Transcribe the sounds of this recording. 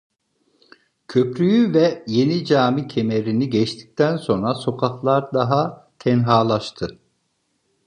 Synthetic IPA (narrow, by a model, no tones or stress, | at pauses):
cʰø̞pɾyjyvɛje̞nid͡ʒaːmicʰe̞me̞ɾiniɟɛt͡ʃt̪ʰi̥c̚t̪ʰænso̞nɾaso̞kʰaxlˠaɾd̪aɦat̪ʰɛnɦaːlˠaʃt̪ʰɯ